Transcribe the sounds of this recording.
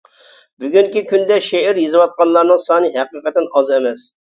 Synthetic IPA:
byɡʲyŋkʲikʲʰynd̪ɛʃeiɾjezɨwɑt̪̚qɑnlˠɑɾnɨŋsɑnɨɦæqəqɛt̪ːɪnɑzɛmɛs

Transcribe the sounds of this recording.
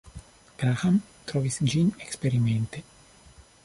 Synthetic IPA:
b̥ɾaham | t̪ɾɔːvisd͡ʒinekspeɾiment̪e

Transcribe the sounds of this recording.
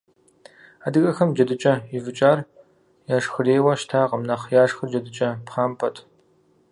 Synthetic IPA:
aːdɨɣɐxɐmd͡ʒɐdɨt͡ʃʼɐɪvɨt͡ʃʼaːr | jaːʂxɨreːwɐʃtʰaːqəmnɐχjaːʂxɨrd͡ʒɐdɨt͡ʃʼɐpχaːmpʰɐtʰ

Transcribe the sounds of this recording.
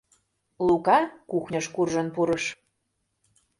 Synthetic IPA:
lukɑkuxnʲɤʃkurʒə̆npuɾɤʃ

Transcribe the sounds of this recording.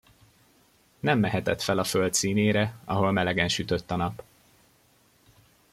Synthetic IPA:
nɛmːɛɦɛt̪ɛt̪fɛlɒfølt̪siːneːɾɛɒ̰ɦo̞lmɛlɛɡɛnʃyt̪øt̪ːɒnɒp

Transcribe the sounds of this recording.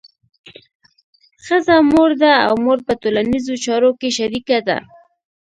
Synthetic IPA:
xəzamoɾd̪aa̰wmoɾpət̪olanizot͡ʃɑɾokeʃaɾikad̪a̰

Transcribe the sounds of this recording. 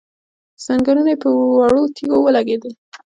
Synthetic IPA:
z̥aŋɡaɾunapəwaɽot̪ʰiɡowəlaɡed̪əl

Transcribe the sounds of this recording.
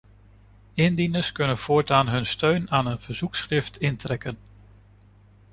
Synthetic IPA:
ɪndinəskɵnənv̥ʊːɹtaːnɦɵnstøɥnaːnənv̥əɹz̥uksχrɪftɪntrɛkən

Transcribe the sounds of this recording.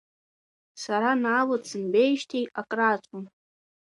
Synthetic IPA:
saɾanaːwɨt͡sʰɨnbejʃtʰejakʼraːt͡ɕʷʼʊn

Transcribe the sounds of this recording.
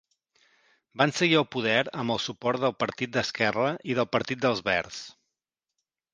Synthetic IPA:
bansəɣiəlˠpuðɛɾəmbəlˠsupɔɾt̪̚d̪əlˠpəɾt̪it̪̚d̪əskɛrəʔiðəlˠpəɾt̪it̪̚d̪əlˠzβɛɾs

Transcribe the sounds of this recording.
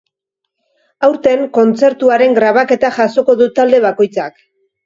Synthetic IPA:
awɾt̪e̞ŋko̞nt͡se̞ɾt̪uaɾe̞ŋɡɾaβ̞ake̞t̪aʝaso̞ko̞ðut̪ald̪e̞β̞ako̞jt͡sak

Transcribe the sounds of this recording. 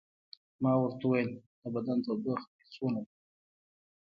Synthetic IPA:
mɑwəɾt̪auwajeld̪̥əbad̪ant̪abəxisona

